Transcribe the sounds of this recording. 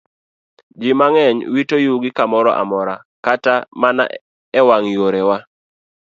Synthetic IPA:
d͡ʒɪmaŋɛɲwitojuɡɪkamɔɾɔ̰ʔa̰mɔɾa | katamana̰ | ɛwaŋjoɾewa

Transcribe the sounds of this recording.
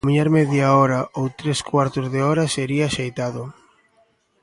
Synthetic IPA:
miɲaɾmɛðjaɔɾɐʔowt̪ɾeskwaɾt̪ʊzðeɔɾɐseɾiaːʃejt̪aðʊ

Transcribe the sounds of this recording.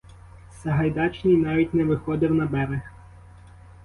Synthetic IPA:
sɐɦɐjd̪ɑt͡ʃnɪjnɑʋʲitʲnɛʋɪxɔd̪ɪwnɐbɛɾex

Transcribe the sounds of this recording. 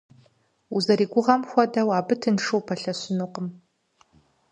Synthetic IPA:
uzɐɾiːɡʷʊʁɐmxʷɔdɐwaːbɨtʰɨnʂɨwpʰɐɬɐɕɪnuqəm

